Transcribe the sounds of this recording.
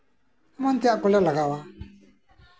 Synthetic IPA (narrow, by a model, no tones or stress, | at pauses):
aman̩tɪakʊlɛlaɡawa